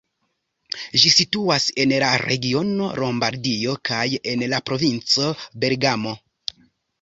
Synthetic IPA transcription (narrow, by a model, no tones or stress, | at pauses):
ʒisituase̞nlaɾe̞̰ɡio̞no̞̰ɾo̞mbaɾdio̞kaje̞nlapɾo̞vint͡so̞be̞ɾɡamo̞